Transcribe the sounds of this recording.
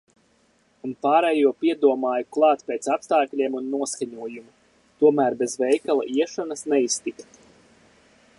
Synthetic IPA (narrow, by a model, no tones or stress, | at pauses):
unpaːɾɛjuɔpʲiɛd̪uɔmaːjuklˠɑːt̪pʲeːt̪sapst̪aːklʲiɛːmunːuɔskaɲuɔjumu | t̪uɔmæːɾbezvɛjkalˠa̰ʔiɛʃɔnasnɛist̪ikt̪